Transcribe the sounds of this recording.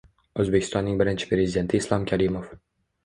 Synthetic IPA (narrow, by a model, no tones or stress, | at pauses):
ɵzbekʲʰɪst̪ɒnːɪŋbɪɾɪnt͡ʃʰɪ̥pɾʲe̞zʲɪd̪e̞nt̪ʰɪːslˠɒmkʲʰaɾɪmof